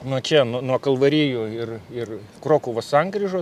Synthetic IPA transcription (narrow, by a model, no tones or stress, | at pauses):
nʊt͡ʃʲɛnunuɔkɐlˠʋɐɾʲiːjʊːɪrɪr | kroːkʊːʋɐsɐŋɡrʲiʒoː